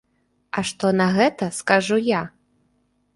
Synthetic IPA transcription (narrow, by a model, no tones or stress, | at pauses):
ɐʂt̪ɔnɐɣɛt̪ɐskaʐuja